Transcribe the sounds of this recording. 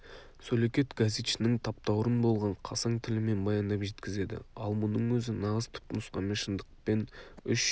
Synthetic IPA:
sɵlekʲe̞t̪ɡazet̪ʃɪnɪŋt̪ʰɑp̚t̪ɑwɾənbo̞lˠʁɑɴqʰɑsɑɴt̪ʰɪlɪme̞nbɑjɑnd̪ɑpʒe̞t̪kʲɪze̞d̪ɪ̰ɑlˠmʊnəɴwɵzɪnɑʁəz̥t̪ʰʊ̥p̚t̪ɪnʊsqɑnmenʃənd̪əq̚pe̞nʏʃ

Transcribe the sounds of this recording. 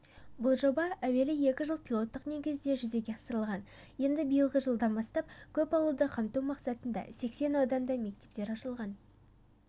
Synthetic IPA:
bʊlˠʒo̞bɑæwe̞lɪje̞kʲɪʒəlˠpʰʲilˠo̞t̪ːəqne̞ɡʲɪzɪd̪e̞ʒʏze̞ɡʲeɑsəɾəlˠʁɑnje̞nd̪ɪbijəlˠʁəʒəlˠd̪ɑnbɑst̪ɑp̚kʲʰɵpɑw̪ˠud̪əqʰɑmt̪uwmɑqsɑt̪ənd̪ɑ̰se̞kse̞nɑwd̪ɑnd̪ɑme̞k̚t̪e̞p̚t̪e̞ɾɑʃəlˠʁɑn

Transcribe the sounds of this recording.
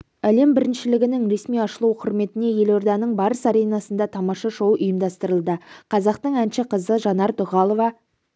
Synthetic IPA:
æle̞mbɪɾɪnʃɪlɪɡʲɪnɪŋɾe̞smijɑʃəlˠuwqʰʊɾme̞t̪ɪne̞je̞lo̞rd̪ɑnəɴbɑɾəsɑɾe̞jnɑsənd̪ɑt̪ʰɑmɑʃɑʒowʔʊjəmd̪ɑst̪əɾəlˠd̪əqʰɑzɑq̚t̪əɴænʃɪqʰəzəʒɑnɑɾt̪ʊʁɑlˠo̞vɑ

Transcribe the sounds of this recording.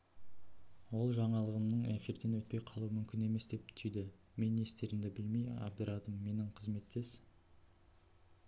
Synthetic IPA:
wo̞lˠʒɑɴɑlˠəʁəmnəɴefʲird̪e̞nwɵt̪̚pe̞jqʰɑlˠuəmʏmkʲɪne̞me̞sd̪e̞p̚t̪ʰʏjd̪ɪ | me̞ne̞st̪e̞ɾɪmd̪ɪbɪlmejɑ̰b̚d̪əɾʔɑd̪əmːe̞nɪɴqʰəzme̞t̪ːes

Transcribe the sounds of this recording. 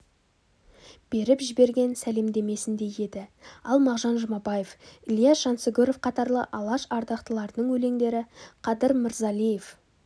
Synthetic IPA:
b̥e̞ɾɪpʒɪbe̞ɾɡʲe̞nsæle̞md̪e̞me̞sɪnd̪e̞je̞d̪ɪɑlˠmɑʁʒɑnʒəmɑbɑjefɪlˠijɑʒ̥ɑnsəɡʲʊɾofqʰɑt̪ɑɾlˠə̰ʔɑlˠɑʃɑɾd̪ɑqt̪əlˠɑɾd̪əɴwɵle̞ŋd̪e̞ɾɪqʰɑd̪əɾmɪɾzɑlˠijef

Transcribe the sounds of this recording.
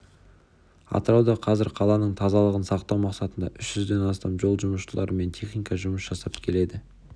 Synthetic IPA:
ɑ̰t̪əɾɑwd̪ɑqʰɑzɪɾqʰɑlˠɑnəɴt̪ʰɑzɑlˠəʁənsɑqt̪ɑwmɑqsɑt̪ənd̪ɑ̰ʔʏʃʒ̥ʏzd̪e̞nɑst̪ɑmʒo̞lˠʒʊməʃəlˠɑɾəme̞nt̪ʰe̞χnikɑʒʊməsʒ̥ɑsɑpkʲʰe̞le̞d̪ɪ

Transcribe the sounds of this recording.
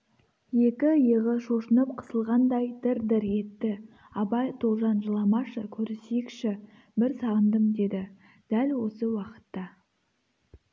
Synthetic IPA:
je̞kʲɪjəʁəʃoʃənəp̚qʰə̥səlˠʁɑnd̪ɑjd̪ɪɾd̪ɪɾe̞t̪ːɪ | ɑbɑjt̪ʰolˠʒɑnʒəlˠɑmɑʃəkʲʰɵɾɪsejɪkʃɪ | bɪɾsɑʁənd̪əmd̪e̞d̪ɪ | d̪̥ælwo̞səwɑqə̥t̪ːɑ

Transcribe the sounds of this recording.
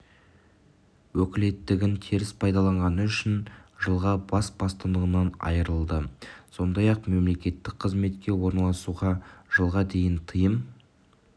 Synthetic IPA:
wɵkʲɪle̞t̪ːɪɡʲɪnt̪ʰiɾɪspʰɑjd̪ɑlˠɑɴʁɑnəʏʃɪnʒəlˠʁɑbɑsbɑst̪ənd̪əʁənɑnɑ̰jəɾəlˠd̪əso̞nd̪ɑjɑq̚me̞mle̞kʲe̞t̪ːɪk̚qʰəzme̞t̪kʲe̞wo̞ɾnɑlˠɑsuʁɑʒ̥əlˠʁɑd̪e̞jɪnt̪ʰəjəm

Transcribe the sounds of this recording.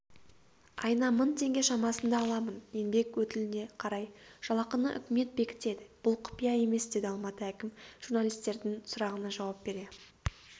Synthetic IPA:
ɑjnɑmʊnt̪ʰe̞ŋɡʲe̞ʃɑmɑsənd̪ɑːlˠɑmənje̞nbe̞kwɵt̪ɪlɪne̞qʰɑɾɑjʒ̥ɑlˠɑqənəʔʏ̰kʲɪme̞t̪̚be̞kʲɪ̥t̪e̞d̪ɪb̥ʊlˠqʰʊ̥pijɑe̞me̞sd̪e̞d̪ɪɑlˠmɑt̪əækʲɪmʒ̥uɾnalʲijst̪e̞ɾd̪ɪŋsʊɾɑʁənənʒɑwɑp̚be̞ɾe̞

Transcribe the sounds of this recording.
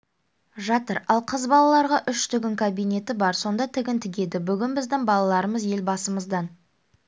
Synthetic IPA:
ʒɑt̪əɾɑlˠqʰəzbɑlˠɑlˠɑɾʁɑʔʏʃt̪ʏɡʲɪŋkʰabijne̞t̪ɪbɑɾso̞nd̪ɑt̪ʰɪɡʲɪnt̪ʰɪɡʲe̞d̪ɪbʏɡʲɪnbɪzd̪ɪŋbɑlˠɑlˠɑɾəməzje̞lbɑsəməzd̪ɑn

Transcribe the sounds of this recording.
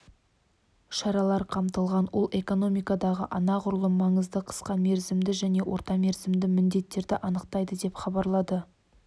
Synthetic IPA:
ʃɑɾɑlˠɑɾqʰɑmt̪əlˠʁɑnwo̞lˠʔe̞ko̞no̞mijkɑd̪ɑʁə̰ʔɑnɑqʰʊɾlˠəmɑɴəzd̪əqʰə̥sqɑme̞ɾzɪmd̪ɪʒæne̞wʔo̞ɾt̪ɑme̞ɾzɪmd̪ɪmɪnd̪e̞t̪ːe̞ɾd̪ɪʔɑnəqt̪ɑjd̪əd̪e̞pχɑbɑɾlˠɑd̪ə

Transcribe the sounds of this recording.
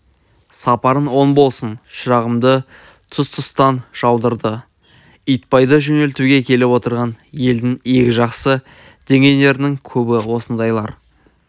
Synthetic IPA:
sɑpɑɾənwo̞nbo̞lˠsənʃəɾɑʁəmd̪ə | t̪ʰʊst̪ʰʊst̪ɑnʒ̥ɑwd̪əɾd̪ə | ijt̪̚pɑjd̪əʒɵne̞lt̪uɡʲe̞kʲʰe̞lɪwo̞t̪əɾʁɑnje̞ld̪ɪŋe̞kʲɪʒɑqsə | d̪̥e̞ŋe̞jne̞ɾɪnɪŋkʲʰɵbɪwo̞sənd̪ɑjlˠɑɾ

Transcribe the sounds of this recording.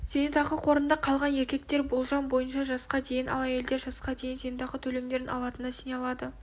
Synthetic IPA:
z̥enet̪ɑʁəqʰo̞ɾənd̪ɑqʰɑlˠʁɑne̞ɾkʲe̞k̚t̪e̞ɾbo̞lˠʒɑmbo̞jənʃɑʒɑsqɑd̪e̞jɪnʔɑ̰lˠɑje̞ld̪eɾʒɑsqɑd̪e̞jɪnzenet̪ɑʁət̪ʰɵle̞md̪e̞ɾɪnɑ̰lˠɑt̪ənɑsejnɑlˠɑd̪ə

